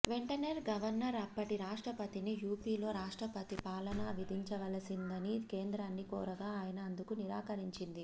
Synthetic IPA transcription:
ʋe̞ɳʈɐneɾɡɐʋɐɾnɐɾɐpːɐʈiɾaːʂʈɾɐpɐt̪inijuːpiːlo̞ːɾaːʂʈɾɐpɐt̪ipaːlɐnɐʋid̪ʱiɲt͡ʃɐʋɐlɐsind̪ɐnike̞ːnd̪ɾaːnːikɔːɾɐɡaːaːjɐnɐːnd̪ukuniɾaːkɐɾiɲt͡ʃind̪i

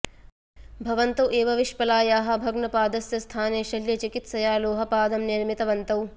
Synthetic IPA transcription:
bʱɐʋɐnt̪ɐwʔeːʋɐʋiʃpɐlaːjaːɦɐ̆bʱɐɡnɐpaːd̪ɐsjɐst̪ʰaːneːʃɐljɐt͡ʃikit̪sɐjaːloːɦɐpaːd̪ɐmniɾmit̪ɐʋɐnt̪ɐw

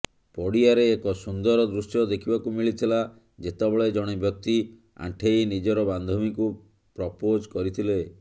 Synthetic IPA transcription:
pɔɽiaɾeːkɔsund̪ɔɾɔd̪ɾusjɔd̪ekʰibakumiɭit̪ʰila | d͡ʒet̪ɔbɔɭed͡ʒɔɽ̃ebjɔk̚t̪i | a̰ʈʰejnid͡ʒɔɾɔband̪ʱɔmiku | pɾɔpod͡ʒkɔɾit̪ʰile

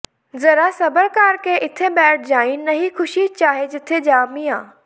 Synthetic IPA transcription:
zɐɾasɐbəɾkaːɾkʰeʔɪt̪ʰebɛːʈ̚ʰd͡ʑaːĩnɐɦixʊʃit͡ɕaːɦed͡ʑɪt̪ʰed͡ʑaːmiaː

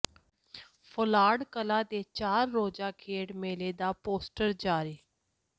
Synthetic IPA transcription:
pʰʊlaːɽkəlãːd̪eːt͡ʃaːɾːoːd͡ʒaːkʰeːɽmeːleːd̪aːpoːsʈəɾd͡ʒaːɾiː

